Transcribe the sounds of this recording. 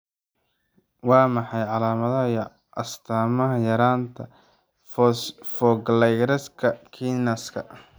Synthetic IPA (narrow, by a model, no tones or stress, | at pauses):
wɑːmɑħɑjʕɑlaːmɐðɐɦɐj | ʔɐst̪ʰaːmɐɦɐjɐɾaːnt̪ʰɐ | fsfɔɡlɛjɡɾɛskʰɐkʰinɐskʰɐ